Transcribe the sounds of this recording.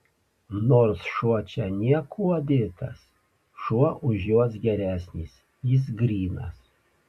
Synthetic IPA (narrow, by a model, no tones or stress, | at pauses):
noːɾsʃuɔt͡ʃʲɛnʲiɛkʰuɔd̪ʲɪt̪ɐs | ʃuɔʔʊʒjuɔsɡʲɛɾʲæːsʲnʲiːs | jɪs̬ɡɾʲiːnɐ̰s